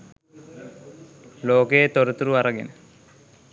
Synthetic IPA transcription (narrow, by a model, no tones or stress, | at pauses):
loːkeet̪oɾət̪uɾuaɾəɡḛnə